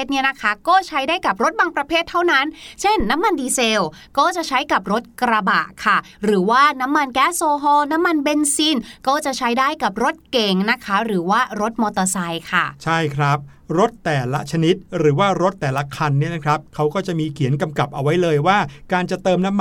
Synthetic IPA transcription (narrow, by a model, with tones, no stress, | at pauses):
t̪̚ni˦˥˩ɐna˦˥kʰa˦˥kɔː˥˩t͡ɕʰa˦˥jdaː˥˩jka˨˩p̚ɾo˦˥t̪̚baː˧ŋpɾa˧pʰeː˥˩t̪ʰːa˥˩wna˦˥nt͡ɕʰe˥˩nːa˦˥mːa˧ndiː˧seː˧w | kɔː˥˩t͡ɕa˨˩ʔt͡ɕʰa˦˥jka˨˩p̚ɾo˦˥t̪̚kɾa˧ba̰ː˨˩ʔkʰa˥˩ | ɾɯː˩˦waː˥˩na˦˥mːa˧nkɛː˦˥soː˧ɦɔː˧na˦˥mːa˧nbe˧nsiː˧˩nkɔː˥˩t͡ɕa˨˩t͡ɕʰa˦˥jdaː˥˩jka˨˩p̚ɾo˦˥t̪̚ke˨˩ŋna˦˥kʰa˦˥ɾɯː˩˦waː˥˩ɾo˦˥t̪̚mɔː˧t̪ɔː˧sa˧jkʰa˥˩t͡ɕʰa˥˩jkʰɾa˦˥p̚ | ɾo˦˥t̪ːɛː˨˩la˦˥t͡ɕʰa˧ni˦˥t̪̚ɾɯː˩˦waː˥˩ɾo˦˥t̪ːɛː˨˩la˦˥kʰa˧nːi˥˩ɐna˦˥kʰɾa˦˥p̚kʰa˦˥wkɔː˥˩t͡ɕa˨˩miː˧kʰi˨˩˦nka˧mka˨˩p̚ʔa˧wa˦˥jlɤː˧jwaː˥˩kaː˧nt͡ɕa˨˩t̪ɤː˧mna˦˥m